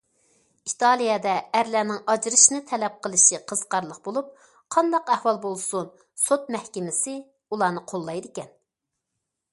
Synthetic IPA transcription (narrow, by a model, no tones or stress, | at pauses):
it̪ʰɑlˠijɑd̪ɛæɾlæːnɪŋʔɑd͡ʒɾɨʃnɨt̪ʰɛlɛp̚qʰəlˠɨʃiqʰəz̥qɑɾlˠəqbolˠup̚ | qʰɑnd̪ɑqæhwɑlˠbolˠsun | sot̪̚mɛhkʲɪmɪsɪ | ulˠɑːnɨqʰolˠːɑjd̪ɪkʲɛn